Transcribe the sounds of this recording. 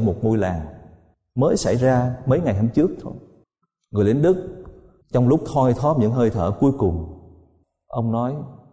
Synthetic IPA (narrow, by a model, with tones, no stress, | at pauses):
mo˨˩t̚ŋu˧jla̰ː˨˩ŋ | məː˨˦jsa̰˧˩jzaː˧mə˨˦jŋa˨˩jna˧mt͡ɕɨ˦˥ək̚t̪ʰo̰˧j | ŋɨ˨˩əjli˨˦nɗɨ˦˥k̚ | t͡ɕɔ˧wŋ͡mlʊ˦˥k͡p̚t̪ʰɔ˧jt̪ʰɔ˦˥t̚ɲɨ̰˧˥ŋɦəː˧jt̪ʰə̰ː˧˩ku˨˦jkʊ˨˩ŋ͡m | ʔə˧wŋ͡mnɔ˨˦j